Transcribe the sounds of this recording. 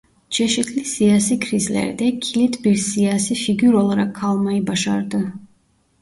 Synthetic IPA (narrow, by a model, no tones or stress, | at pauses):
d͡ʒɛʃɛt̪ʰlisiasikʰɾizlɛ̰ɾd̪ɛkʰilit̪ʰbiɾsiasifiɡyɾɔlˠaɾakʰːalˠmaibaʃa̰ɾd̪ə